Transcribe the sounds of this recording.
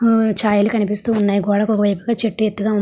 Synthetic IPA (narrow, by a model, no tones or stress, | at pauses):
t͡ʃaːjɐlukɐnipist̪uːnːaːjiɡɔːɽɐkɔkɐʋɐjpu̥ɡaːt͡ʃeʈːujet̪ːuɡaːu